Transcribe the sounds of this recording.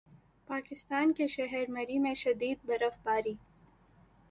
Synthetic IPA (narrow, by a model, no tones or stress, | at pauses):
paːkɪst̪aːnkeʃɐɦɛɾmɐɾimẽʃɐd̪iːd̪̚bɐɾəfbaːɾiː